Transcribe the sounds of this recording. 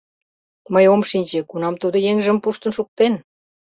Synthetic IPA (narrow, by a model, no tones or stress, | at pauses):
məjomʃinʲt͡ɕekunɑmt̪ud̪ə̆jeŋʒə̆mpuʃt̪ə̆nʃuk̚t̪en